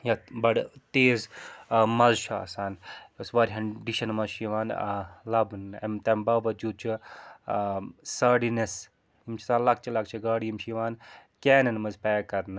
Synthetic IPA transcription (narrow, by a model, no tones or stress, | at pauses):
jabɐɽt̪eːzmɐzʃʰuɐ̰saːnjosʋɐːɾʲɦɐɖiʃɐnmɐzʃiʋaːnlɐbnḛmt̪ɐmbɐːʋɐd͡ʒuːd̪̚t͡ʃʰi | sɐːɽines | imt͡ʃʰisaːnlɐk̚t͡ʃʰilɐkt͡ʃʰiɡaːɽijimʃiʋaːnkɛːnɐnmɐzpɛːkɐɾnɨ